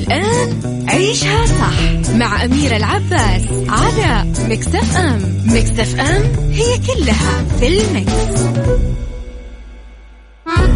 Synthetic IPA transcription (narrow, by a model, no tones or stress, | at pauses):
lʔaːn | ʕiːʃhasˤɑħ | maʕʔamiːɾɪlʕabːaːs | ʕala | mɪkt̪afʔammɪkt̪afʔamhɪjːakʊlːhafilmɪks